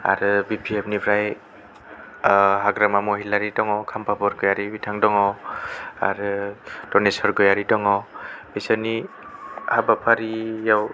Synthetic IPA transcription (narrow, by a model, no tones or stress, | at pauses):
a̰ɾɯbipʰiep̚nibʰɾaj | ɦaɡɾamamɔɦilaɾidɔŋɔkʰampʰabɔɾɡɯjaɾibitʰaŋdɔŋɔ | a̰ɾɯd̥ɔnesɔɾɡɔjaɾidɔŋɔbisani | habapʰaɾijaw